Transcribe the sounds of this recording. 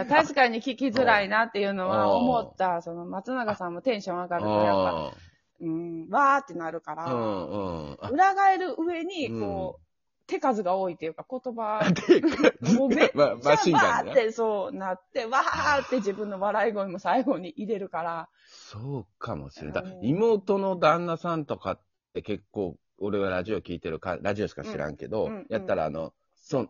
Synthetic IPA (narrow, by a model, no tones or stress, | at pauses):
jat̪aɕi̥kaɲ̟ikʲikʲizɨɾainat̪ːe̞jɯ̟ːno̞βaomo̞t̪ːaso̞no̞mat͡sɨnaɡasãmːo̞t̪ẽ̞ɰ̃ɕõ̞ɰ̃akaɾɯ̟aaa | ɯ̟̃ːɴβaːt̪ːe̞naɾɯ̟kaɾa | ɯ̟ɾaɡae̞ɾɯ̟ʔɯ̟e̞ɲ̟iko̞ː | t̪e̞kazɨɡao̞ːit̪ːe̞jɯ̟kako̞t̪o̞bat̪ | momeaaɕĩaatːeso̞ːnat̪ːe̞βaat̪ːe̞ʑibɯ̟̃nːo̞βaɾaiɡo̞ɲimo̞saiɡo̞ɲ̟iʔiɾe̞ɾɯ̟kaɾa | soːkʰamo̞̰ɕi̥ɾḛnd̪aimo̞ːt̪o̞no̞d̪ãnːasãnt̪o̞kat̪ː | e̞ke̞kːo̞ː | oɾe̞βaɾaʑio̞kʲiːt̪e̞ɾɯ̟kã̰ɾaʑio̞ɕi̥kaɕiɾã̰ŋke̞̰d̪o̞jat̪ːaɾa̰ːno̞̰ | so